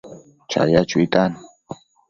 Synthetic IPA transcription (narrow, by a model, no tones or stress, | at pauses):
t͡ʃa̰jat͡ʃʊit̪an